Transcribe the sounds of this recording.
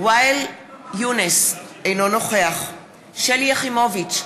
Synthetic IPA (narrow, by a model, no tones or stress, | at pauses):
wajljunesejnono̞χeaχ | ʃelijaχimovit͡ʃ